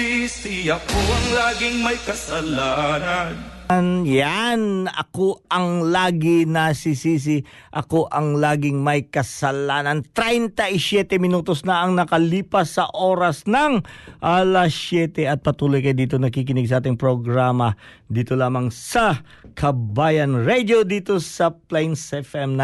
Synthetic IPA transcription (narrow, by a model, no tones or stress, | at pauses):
isiɐkoʔɐŋlaːɡɪŋmɐjkɐsɐlaːnɐnnjanɐ̰koɐŋlaːɡɪnɐsisiːs̬ɪ | ʔɐko̞ʔɐŋlaːɡɪŋmɐjkɐsɐlaːnɐnt̪ɾɛjnt̪ɐʔɪsjɛt̪ɛmɪnuːt̪o̞snɐʔɐŋnɐkɐliːpɐsːɐʔoːɾɐsnɐŋʔɐlɐsjɛt̪ɛɐt̪̚pɐt̪uːlojkɐjod̪iːt̪o̞nɐkikɪnɪɡ̚s̬ɐʔaːt̪̬ɪŋpɾoɡɾaːmɐ | d̪iːt̪o̞laːmɐŋsɐ | kʰɐbaːjɐnɹɛd̪o̞d̪iːt̪o̞sɐplɛjnsɛfɛmna